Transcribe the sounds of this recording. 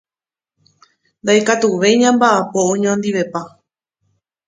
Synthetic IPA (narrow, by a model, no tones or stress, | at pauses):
nd̪ajkat̪uʋe̞jɲãmbaʔapoõɲõnd̪iʋe̞pa